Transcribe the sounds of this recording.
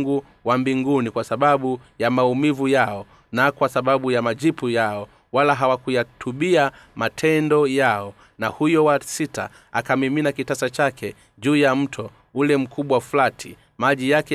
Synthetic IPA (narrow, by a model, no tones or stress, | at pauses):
ɡu | wambiŋɡunikwasaɓaɓujamaumivujaɔ | nakwasaɓaɓujamad͡ʒipujaɔ | walaɦawakujatʰuɓia | matʰɛndɔjaɔ | nahujɔwasita̰ | akamiminakitasat͡ʃakɛ | ʄuːjam̩tʰɔ | ulɛm̩kʰuɓwaflatʰi | maʄijakɛ